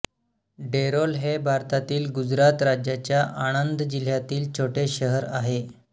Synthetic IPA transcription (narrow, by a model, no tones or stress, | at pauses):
ɖeɾolɦebʱaɾt̪at̪iːlɡud͡zɾat̪ɾad͡ʑjat͡ɕjaʔaɽ̃ənd̪d͡ʑil̤jat̪iːlt͡ɕʰoʈeɕəɦəɾaɦe